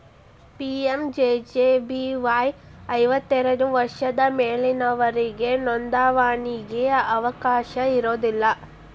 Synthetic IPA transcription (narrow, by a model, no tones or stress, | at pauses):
piːemd͡ʒeːd͡ʒeːbiʋɐjɐjʋɐt̪ːɛɾɐɽuʋɐɾʂɐd̪ɐmeːlinɐʋɐɾiɡe̞nond̪aːʋaːɳiɡejɐʔɐʋɐkaːʃɐiɾoːd̪ilːɐ